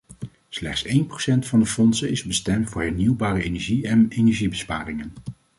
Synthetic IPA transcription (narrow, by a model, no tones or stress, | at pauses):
slɛχtsejnprosɛntfɑndəfɔnsənɪzbəstɛmtfʊːɹɦɛɹniwbaːrəejnɛɹʒiɛnenɛɹʒibəspaːrɪŋən